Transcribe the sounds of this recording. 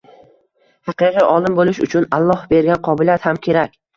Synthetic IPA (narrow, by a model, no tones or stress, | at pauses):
hɑqɨqɨjʔɒlˠɪmbolɪʃʊt͡ʃʰʊnalˠːɒhbe̞ɾɡʲanqʰɒbɪliat̪hamkʲʰe̞ɾakʲ